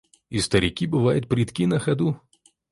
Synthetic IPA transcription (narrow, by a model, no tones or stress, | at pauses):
ist̪əɾʲɪkʲibɨvajɪt̪̚pɾʲɪt̪kʲinɐxɐd̪u